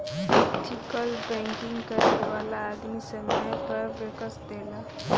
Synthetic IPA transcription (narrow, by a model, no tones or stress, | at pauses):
ʈʰikəlbɛ̃ŋkiŋɡkəsʋalaːd̪misəmabəɾʋekəsd̪ela